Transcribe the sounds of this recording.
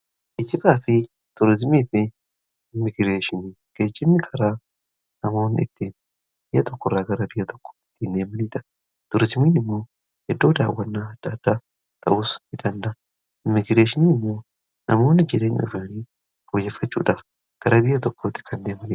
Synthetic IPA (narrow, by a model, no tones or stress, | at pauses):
ʔɪt̪ːɪbaːfɪ | t̪ʊɾɪzmiːfɪ | mːɪɡɪɾe̞ːʃɪniː | ɡ̥eːd͡ʒːɪmːɪkʰɐɾaː | nɐmo̞ːnːɪɪt̪ːiːn | bɪjɐt̪ɔkːɔrːaːɡɐɾɐbɪjːɐt̪ʰɔ̥kːo̥ːɪ̥t̪ːine̞ːmɐniːt̪ɐ | t̪ʊɾɪzmiːnɪmːo̞ː | hɛd̪ːoːd̪a̰ːwːɐnːaːd̪̥aːd̪̥ːa | t̪ʰɐ̰ʔusɪd̪ɐnd̪ɐ | mːɪɡɪɾeːʃɪniːnɪmːoː | nʔɐ̰mo̞ːnːɪd͡ʒɪɾeːɲʊ̰fnɐniː | foːjɛfːɐt͡ʃːṵːᶑɐː | ɡ̥ɐɾɐbɪjːɐt̪ɔkːoːt̪ːɪ̥kʰɐnd̪eːmɐniː